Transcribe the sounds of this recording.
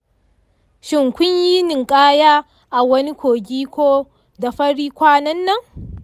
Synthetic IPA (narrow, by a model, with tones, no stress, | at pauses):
ʃɪ˨ŋkʷʊ˦ɲji˦nɪ˨ŋkʼaː˦jaː˦ | ʔa˨wɐ˦ni˦kʷoː˨ɡʲiː˦kʷoː˦ | da˨ɸɐ˦ɽiː˦kʷaː˦nɐ˦nːɐ˦ŋ